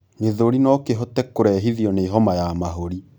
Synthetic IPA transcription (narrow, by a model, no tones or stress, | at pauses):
ŋeðoɾinɔkeɦɔtɛkoɾɛɦiðiɔneiɦɔmajamaɦoɾi